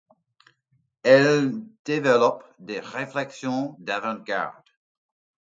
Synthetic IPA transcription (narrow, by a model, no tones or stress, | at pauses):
ɛld̪̥evɛlɔpd̪eʁeflɛksjɔ̃d̪avɑ̃ɡa̰ʁd̪̥